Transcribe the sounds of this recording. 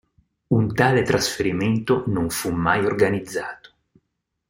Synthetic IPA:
unt̪aːlet̪ɾasfeɾiment̪onoɱfumːajorɡanid̪zːaːt̪o̥

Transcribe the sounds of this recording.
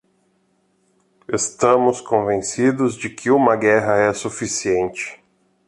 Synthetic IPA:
est̪ɐ̃mʊskõvẽsid̪ʊzd͡ʒɪkʰɪũmɐɡɛɦɐɛsufisiẽnt͡ʃɪ̥

